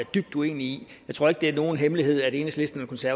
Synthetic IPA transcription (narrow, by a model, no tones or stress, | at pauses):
æd̥yb̥̚d̥ue̝̰ːniijɑt͡sʰʁo̝ɐeɡ̥̚d̥e̝æɐno̝ːn̩ɦemliɦe̝ð̞̰ˠæde̝ːnəsle̝sd̥n̩ælkʰɒ̽nsæɐ